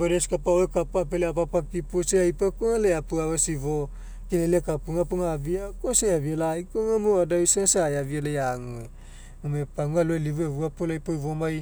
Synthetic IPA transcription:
baɾeskapaoekapuapeleapapakipuseajpakuŋaleapuawesivo | kinelekapuŋapuŋaːviakoseavialajkoŋamoadaisensajavialejaŋue | umepaŋualoeliβueβuapolajpojvomaj

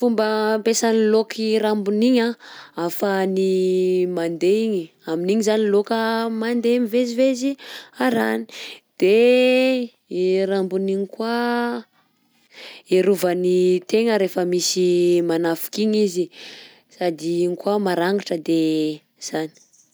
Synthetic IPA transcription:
fumbəmpesanilokʰiɾambuniɲaafanimand̪eiɲi | aminiɲizanilokəmand̪emiveziveziaɾani̥d̪̥e | ɾambuniɲikwa | eɾuvənit̪eŋəɾefəmisimanafu̥kiɲizi | sad̪iiɲikwamaɾaŋɡaʈ͡ʂəd̪e | z̥ani̥

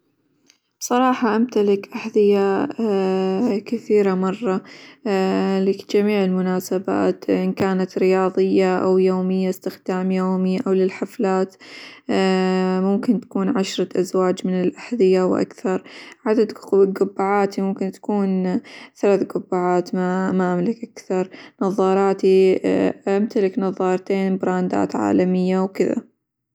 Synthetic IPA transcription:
b̥sˤɑɾˤɑːħɑʔamt̪alɪkʔaħðɪja | kɪθiːɾamɑrˤːɑ | lɪd͡ʒamiːʕɪlmʊnaːsaba̰ːt̪ʔɪnkaːnat̪ɾɪjɑːðˤɨjːaʔawjoːmɪjːaɪst̪ɪxd̪aːmjoːmiʔawlɪlħaflaːt̪ː | mʊmkɪnt̪ḁkuːnʕaʃɾˤɑʔazwaːd͡ʒmɪnɪlʔaħðɪjawʔa̰kθɑɾˤʕad̪ad̪ɡʊbːaʕaːt̪imʊmkɪnt̪ḁkuːnθalaːθɡʊbːaːʕaːt̪mamaʔamlɪkʔakθɑɾˤnɑðˤːɑːɾˤɑːt̪iʔamt̪alɪknɑðˤɑːɾˤt̪eːnbɾɑːnd̪a̰ːt̪ʕa̰ːlamɪjːawkɪða̰

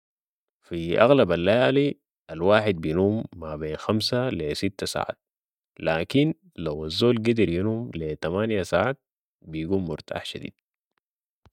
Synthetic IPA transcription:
fiʔa̰ɣlabalːajaːli | alwaːħid̪̚bijnuːmːabeːnxamsalesit̪ːasa̰ːʕa̰ːt̪̚ | laːkin | lawazːoːlɡid̪iɾjinuːmlet̪amaːnjasaːʕaːt̪̚ | bijɡuːmːʊɾt̪ʰa̰ːħʃad̪ḭːd̪̥̚

